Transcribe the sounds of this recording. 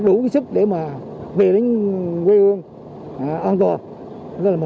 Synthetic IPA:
ɗu˧˩ki˨˦sɨ˦˥k̚ɗe˧˩maː˨˩ve˨˩ɗe˨˦ŋkwe˧hɨ˧əŋ˨˩ | ʔa˧nt̪ɔ˨˩˨ | laː˨˩m˨

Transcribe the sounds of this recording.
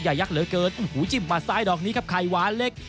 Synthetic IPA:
jaː˨˩ja˦˥k̚lɯː˩˦kɤː˧nʔu˧˩huː˨˦t͡ɕi˧˩mːaː˧saː˧˩jdɔː˨˩k̚niː˦˥kʰa˦˥p̚kʰa˧˩jwaː˨˦le˦˥k̚

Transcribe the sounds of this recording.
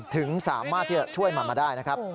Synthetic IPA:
t̪ʰɯ˩˦ŋsaː˩˦mːaː˥˩t̪ʰːiː˥˩t͡ɕa˨˩t͡ɕʰu˥˩əjmaː˧maː˧daː˥˩jna˦˥kʰɾa˦˥p̚

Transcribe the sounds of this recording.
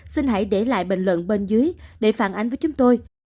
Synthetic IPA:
si˧nɦa̰˧˩jɗe˧˩la̰ː˧˨jɓḛ˧˨ŋ̟lwə̰˧˨nɓe˧nzɨ˨˦əjɗe˧˩faː˧˩nʔa˨j̟vəː˨˦jt͡ɕʊ˨˦ŋ͡mt̪o˧j

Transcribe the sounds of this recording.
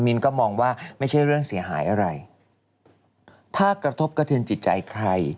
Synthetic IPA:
mi˧nkɔː˥˩mɔː˧ŋwaː˥˩ma˥˩jt͡ɕʰa˥˩jɾɯ˥˩əŋsi˩˦ɦaː˩˦jʔa˧ɾa˧j | t̪ʰaː˥˩kɾa˧t̪ʰo˦˥˩p̚ka˧t̪ʰɯ˧nt͡ɕi˨˩t̪̚t͡ɕa̰˧jkʰɾa˧j

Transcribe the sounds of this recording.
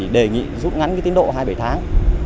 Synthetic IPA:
ɗe˨˩ŋḭ˧˨zu˦˥t̚ŋa˨˦nkːt̪i˨˦ɗo̰˧˨ɦaː˧jɓə˧˩jt̪ʰaː˨˦ŋ

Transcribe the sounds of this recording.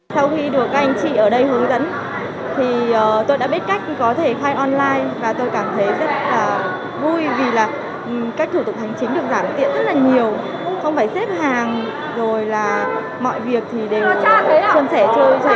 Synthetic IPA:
sa˧wxi˧ɗɨ˨˩ək̚ːk̚ʔa˧jŋ̟t͡ɕḭ˧˨ʔəː˧˩ɗə˧jhɨ˨˦ŋzə̰˧˥n | t̪ʰi˨˩ʔəː˨˩t̪o˧jɗa̰ː˧˥ɓi˦˥t̚ka˦˥jk̟̚kɔ˨˦t̪ʰe˧˩xaː˧jʔɔ˧nlaː˧jvaː˨˩t̪o˧jkaː˧˩mt̪ʰə˨˦jzə˦˥t̚laː˨˩ | vu˧jvi˨˩laː˨˩˨ | kaː˦˥k̚t̪ʰu˧˩t̪ʊ˨˩k͡p̚t̪ʰa˨˩jŋ̟t͡ɕï̟˨˦ɗɨ˨˩ək̚zaː˧˩mt̪ḭ˧˨ənzə˦˥t̚laː˨˩ɲi˨˩əw | xə˧wŋ͡mfaː˧˩jse˦˥p̚ɦaː˨˩ŋ | zo˨˩jlaː˨˩ | mɔ̰˧˨jvi˨˩ək̚t̪ʰi˨˩ɗe˨˩˧sə˧nsɛ˧˩t͡ɕə˧

